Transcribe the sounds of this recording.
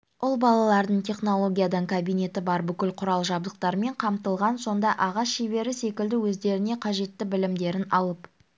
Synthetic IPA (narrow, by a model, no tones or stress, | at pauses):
ʊlˠbɑlˠɑlˠɑɾd̪əɴt̪ʲʰe̞χno̞lˠo̞ɡʲijad̪ɑɴkʰabijne̞t̪ɪbɑɾbʏkʲɪlqʰʊɾɑlˠʒɑbd̪əq̚t̪ɑɾme̞ɴqʰɑmt̪əlˠʁɑnso̞nd̪ɑʔɑʁɑsʃebe̞ɾɪse̞kʲɪld̪ɪwɵzd̪e̞ɾɪne̞qʰɑʒe̞t̪ːɪbɪlɪmd̪e̞ɾɪnɑlˠəp